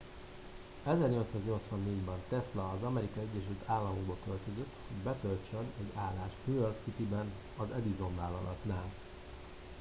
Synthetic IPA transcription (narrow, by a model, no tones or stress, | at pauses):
ɛzɛrɲo̞lt̪saːzɲo̞lt̪sʋɒnːeːɟbɛnt̪ɛslɒːzɒmɛɾikɒɛɟːɛʃylt̪aːlːɒmoɡ̚bokølt̪ø̞zøt̪ːho̞ɟbɛt̪ølt͡ʃønɛɟaːlːaːʃmyørksit̪ibɛn | ɒzɛd̪izo̞ɱvaːlɒlɒt̪naːl